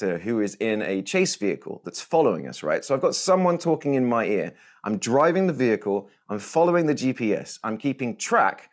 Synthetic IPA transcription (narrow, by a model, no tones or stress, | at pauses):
əɦʉɪzɪ̃nət͡ʃʰeɪsv̥iə̰kʰə̰lˠðətsfɒləʊɪ̰̃ŋʌ̰sɹa̰ɪtsoʊaɪvɡɒtsʌ̃mwʌ̃ntʰɔˑkɪ̃ŋɪ̃nmaɪɪə | ʔã̰ɪ̃mdɹaɪvɪ̃ŋðəviəkʰəlˠ | ʔãɪ̃ɱfɒloʊɪ̃ŋðəd͡ʒipʰiɛ̰sãɪ̃mkʰiˑpɪ̃ŋtʰɹ̥a̰k